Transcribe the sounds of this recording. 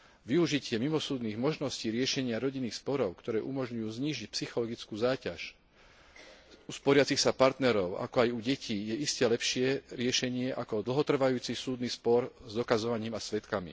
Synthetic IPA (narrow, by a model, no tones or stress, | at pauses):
ʋiuʒicɪɛmimɔsuːd̪niːɣmɔʒnɔsciːɾɪɛʃɛɲɪaɾɔɟinːiːxspɔɾɔʊkt̪ɔɾɛːʔumɔʒɲujuːzɲiːʒic̚psixɔlɔɡit͡skuːzaːcaʃ | uspɔɾɪat͡sixsapaɾt̪nɛɾɔʊa̰kɔajuɟɛcʰiːjɛʔiscɛlɛpʃɪɛɾɪɛʃɛɲɪɛʔakɔd̪l̩ˠɦɔt̪r̩ʋajuːt͡sisuːd̪nispɔɾzd̪ɔkazɔʋaɲiːmasʋɛt̪kamḭ